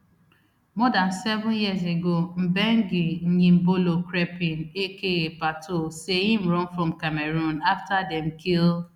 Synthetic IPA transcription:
mɔdan̩sɛvʊ̃njiəzeɡom̩bɛŋ̩ɡin̩ɲĩm̩bolokɾepĩnekeɣepatʰosehĩm̩ɾɔ̃nfɾɔ̃m̩kameɾũnaftadɛm̩kil

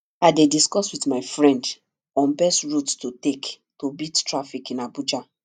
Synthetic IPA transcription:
aɪdediskɔswitmaɪfɹɛ̃nd | ɔ̃nbɛstɹuttotek | tobidtɹafikĩnabud͡ʒa

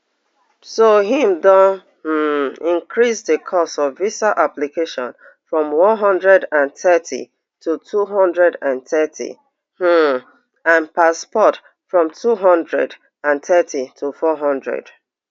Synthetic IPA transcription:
soɦĩmdɔ̃n | h̩ĩŋkɹisðəkʰɔsɔvvisaʔaplikeʃɔ̃n | fɹɔ̃mwɔ̃nɦɔ̃ndɹɛdãnθɛtḭ | tʰutʰuɦɔ̃ndɹɛdãnθɛtʰḭ | h̩ | ãnpaspɔt | fɹɔ̃mtʰuɦɔ̃ndɹɛ̰d | ãnθɛtʰitʰufɔɦɔ̃ndɹɛ̰d̥

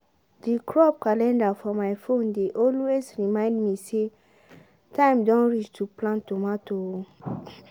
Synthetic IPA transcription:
dikʰɹɔp̚kalɛ̃ndafɔmajfõndeʔɔlwezɹimãɪ̃ndmise | tʰãɪ̃mdɔ̃nɹit͡ʃtʰuplãntomatoo

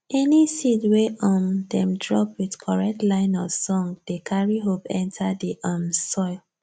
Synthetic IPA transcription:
ɛnisidweʔɔ̃mdɛ̃mdɹɔ̰pwidkʰɔɹɛk̚tlãɪ̃nɔsɔ̃ŋɡd̥ekʰaɹiɦopɛ̃ntʰadiʔamsɔɪl

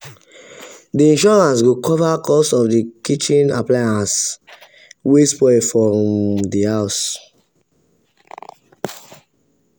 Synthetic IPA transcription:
diĩnʃɔɹãnsɡokʰɔvakɔsɔfdikit͡ʃĩna̰plajãns | wespɔfɹɔ̃mdihaʊs

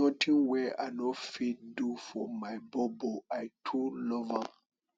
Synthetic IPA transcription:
ɔtʰĩŋwɛʔa̰nɔfit̚dufɔmajbɔbɔajtʰulɔva

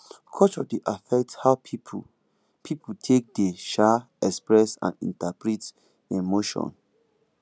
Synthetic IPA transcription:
kʰɔt͡ʃɔdiʔafɛk̚tshaʊ | pʰiputʰek̚deʃa | ɛkspɹɛsã̰ndḭ̃ntapɹit | emoʃɔ̰̃n

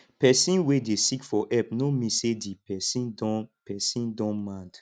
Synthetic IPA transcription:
pɛsĩnwedesikfɔʔɛp̚nomĩsedipɛsĩndɔ̃pɛsĩndɔ̃nmãnd

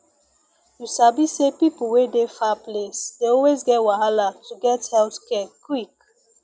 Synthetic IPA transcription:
jusabisepipl̩wedefaplesdeɔlwezɡɛtwaɦalatuɡɛthɛltkɛkwik

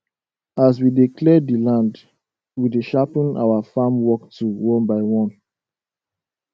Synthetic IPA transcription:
as̬widikʰlɛdilãnd | wideʃapĩna̰wafamwɔktuwɔ̃nbaɪwɔ̃n

